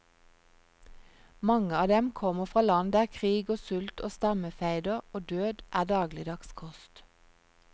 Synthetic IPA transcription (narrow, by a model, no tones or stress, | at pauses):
mɑŋəɑːd̪ɛmkʰɔməfʁɑːlɑnd̪əæːʁkʰʁiːɡoːsʉlt̪oːst̪ɑməfæɪd̪əʁoːd̪øːd̪ʔæːʁd̪ɑːɡlɪd̪ɑkskʰɔst̪